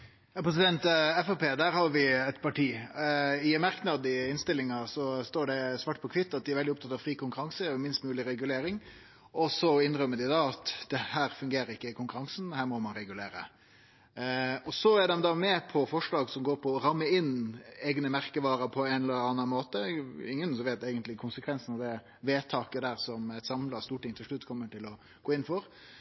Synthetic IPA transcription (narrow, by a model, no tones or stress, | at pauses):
jɑpʰɾɛs̬ɪd̪ɛnt̪ɛfɑpeːd̪æːɾhɑɾʋɪɛt̪pʰɑʈʰiː | ɪmɑɾknɑd̪ɪɪnst̪ɪlːɪŋɑsɔst̪oːɖɛsʋɑːʈ̚ːpʰɔkʰʋɪt̪ːɑt̪d̪ɪæɾʋɛldɪʊpt̪ʰɑt̪ːɑːʋfɾiːkʊŋkʉɾɑŋsəmɪnst̪mʉːlɪɾɛɡʉleːɾɪŋ | ʔɔsɔɪnɾœmːəd̪ɪd̪ɑːɑt̪d̪̥ɛhæːɾfʉŋɡeːɾəɪkːəɪkʊŋkʉɾɑŋsn̩hæːɾmɔmɑnɾɛɡʉlḛːɾə̰ | ɔsɔæɾɖ̪ɛmd̪ɑːmɛpʰɔfɔʂɭɑːɡsɔmɡoːɾpʰɔːɾɑmːəɪneːɡnəmæɾkəʋɑːɾəɾpʰɔɛnɛləɾɑːnɑnmoːt̪əɪŋːənsɔʋeːt̪eːɡənt̪lɪkʰʊnsəkʰʋɛnsnɑʋd̪ɛ | ʋeːt̪ʰɑːkəd̪æːɾsɔmæt̪sɑmlɑst̪uːʈɪŋt̪ʰɪlʂɭʉt̪ːkʰɔmːəʈʰɪlɔ | ɡ̥oːɪnn̩fɔɾ